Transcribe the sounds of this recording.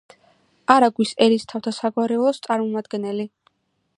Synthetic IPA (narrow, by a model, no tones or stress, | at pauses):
aɾaɡwisɛɾist̪ʰaft̪ʰasaɡwaɾɛulˠɔst̪sʼaɾmɔmad̪ɡɛnɛli